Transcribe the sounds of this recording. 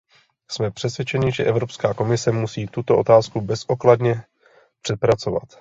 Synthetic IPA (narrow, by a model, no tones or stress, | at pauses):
smɛpr̝̥ɛsvjɛt͡ʃɛɲɪʒɛʔɛvɾo̞pskaːko̞mɪsɛmusiːt̪ut̪o̞ʔo̞t̪aːskubɛsʔo̞kladɲɛ | pr̝̥ɛt̪̚pɾat͡so̞va̰t̪